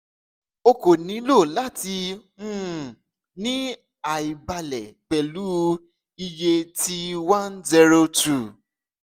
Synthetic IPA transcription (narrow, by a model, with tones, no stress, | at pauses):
o˧ko˨nĩ˨˦lo˦˨la˦ti˧ũ˦˨ | nĩ˦ | a˨i˨ba˧lɛ˨k͡pɛ˨lu˨˦ | i˧je˧ti˧wã˦nzi˧ɾo˧tu˨